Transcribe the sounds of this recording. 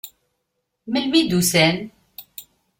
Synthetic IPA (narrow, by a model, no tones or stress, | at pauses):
məlmid̪usæn